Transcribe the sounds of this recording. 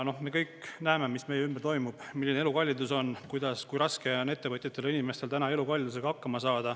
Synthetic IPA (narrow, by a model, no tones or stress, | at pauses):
no̞hme̞kɤjknæeme̞misme̞jeymberɾt̪o̞jmub̥milːinee̞lukɑlʲːid̪uso̞nkujd̪̥ɑskujɾɑske̞one̞t̪ːe̞vɤt̪ʲˑjɑt̪ːˑe̞linʲime̞st̪e̞lt̪ænɑe̞lukɑlʲid̪use̞ɡɑɑkːɑmɑsɑːd̪̥ɑ